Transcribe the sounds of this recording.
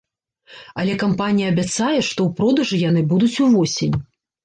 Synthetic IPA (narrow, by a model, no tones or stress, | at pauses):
ɐlʲɛkampanʲijɐːbʲat̪sajɛʂt̪ɔwpɾɔd̪ɐʐɨjanɨbud̪ut͡sʲuvɔsʲenʲ